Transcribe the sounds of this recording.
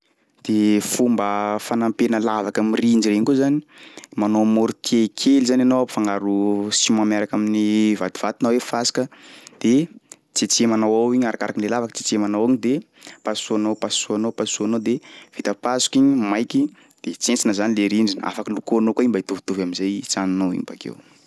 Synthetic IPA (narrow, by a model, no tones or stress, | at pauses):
d̪̥efumbəfanampenəlavakamiriɳɖ͡ʐirejɲkuzani̥manomoɾut̪ʰiekʰelizananowafaŋaɾusimamaɾakaminivat̪i̥v̥at̪inawefasi̥kəd̪̥e | t͡set͡semanawawiɲaɾakaɾakinlelavakə̥t͡se̥t͡semanawaɲid̪e | pasuanowpasuanowpasuanowd̪ev̥it̪əpasu̥kiɲimajkʲi | d̪̥et͡sent͡sinəzanileɾinɖ͡ʐina̰fakilukoanokoimbait̪uvi̥t̪uvamizajt͡saninowḭŋpakḛw